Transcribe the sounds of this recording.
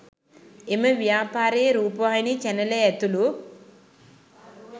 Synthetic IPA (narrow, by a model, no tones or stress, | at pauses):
emɐʋjaːpaːɾeːɾuːpɐʋaːjnit͡ʃɛnɐleet̪ulu